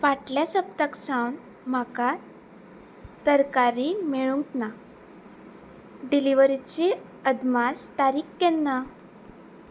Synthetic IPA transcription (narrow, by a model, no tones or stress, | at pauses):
ʋaʈljasəpt̪əksãwn | m̤aka | t̪əɾkaɾimeɭuŋkna | ɖiliʋəɾit͡ɕi | əd̪mast̪aɾiːkːɛnːa